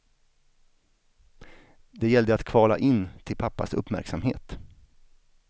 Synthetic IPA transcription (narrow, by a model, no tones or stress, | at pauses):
d̪ɛjɛld̪əat̪kʰv̥ɑːla̰ʔɪnːt̪ʰɪlpʰapːa̰sɵ̰pːmæ̰ɾksamhḛːt̪